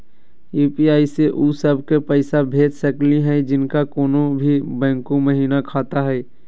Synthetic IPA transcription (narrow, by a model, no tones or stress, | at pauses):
juːpiaːiseʔuːsəbʱkepəɪsabʱeːd͡ʒ̪səkliɦɛ̃d͡ʒɪnkakoːnõbʱibɛ̃ːŋkõməɦiːnakʰaːt̪aɦɛː